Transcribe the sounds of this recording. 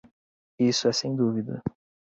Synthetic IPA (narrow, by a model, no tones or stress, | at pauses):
isʊɛsẽj̃d̪uvid̪ɐ